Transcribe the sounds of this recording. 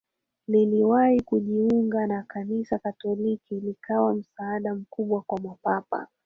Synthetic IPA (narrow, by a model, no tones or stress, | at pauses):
liliwahikuʄiuŋɡanakanisakatɔlikilikawam̩saːɗam̩kuɓwakwamwapapa̰